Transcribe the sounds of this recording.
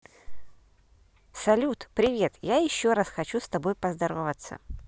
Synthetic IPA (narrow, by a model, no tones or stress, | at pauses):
sɐlʲut̪pɾʲɪvʲe̞t̪jajɪɕːoɾasxɐt͡ɕust̪ɐbo̞jpəzd̪ɐɾovət̪sə̰